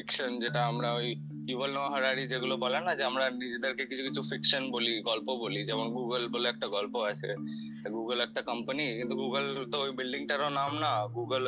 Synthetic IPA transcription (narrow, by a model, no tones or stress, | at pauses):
fɪkʃənd͡ʒeʈaəmɾaoi | iʋəlnəɦəɾaɽid͡ʒeɡulobəlanad͡ʒeəmɾanid͡ʒ̪d̪əɾkekit͡ʃʰũkit͡ʃʰũfɪkʃənboliɡɔlpobolid͡ʒeməɳ̃ɡuɡəlbolek̚ʈaɡɔlpoat͡ʃʰḛ | eɡuɡəlek̚ʈakəmpənikɪ̃nt̪uɡuːɡəlt̪ooibɪlɖɪ̃ŋɡʈəɾonamnaɡuːɡəl